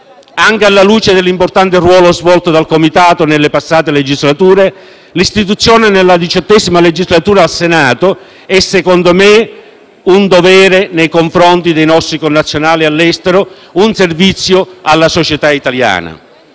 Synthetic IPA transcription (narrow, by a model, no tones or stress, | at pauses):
aŋkealːaluːt͡ʃed̪elːimport̪ant̪erwɔːlozvɔlt̪od̪alkomit̪aːt̪onelːepasːaːt̪eled͡ʒizlat̪uːɾe | list̪it̪̬ut̪sːjɔːnenelːad̪it͡ʃɔt̪ːɛzimaled͡ʒizlat̪uːɾaːlsenaːt̪o | ɛsːekond̪ome | und̪ovɛːɾenejkoɱfɾɔnt̪id̪ejnɔsːikonːat̪sːjonaːlialːɛst̪eɾo | unservit̪sːjoalːasot͡ʃet̪ait̪alja̰ːna̰